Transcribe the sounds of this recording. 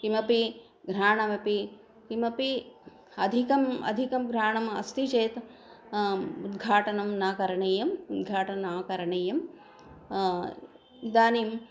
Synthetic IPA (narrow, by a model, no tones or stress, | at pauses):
kimɐpi | ɡɾaːɳɐmɐpi | kimɐpi | ɐd̪ʱikɐmɐ̰d̪ʱikɐmɡɾaːɳɐmɐ̰st̪it͡ʃeːt̪ | ud̪ɡʱaːʈɐnɐmnaːkɐɾɐɳeːjɐmud̪ɡʱaːʈɐnaːkɐɾɐɳeːjɐm | id̪aːniːm